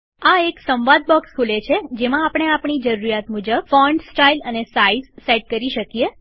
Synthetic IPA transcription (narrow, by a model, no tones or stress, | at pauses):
aeksəmʋad̪̚bɔkskʰulet͡ʃʰed͡ʒemãːpəɽ̃eapɳ̃id͡ʒəɾuɾijat̪mud͡ʒəbfɔɳɖsʈailənesaizːeʈ̚kəɾiʃəkije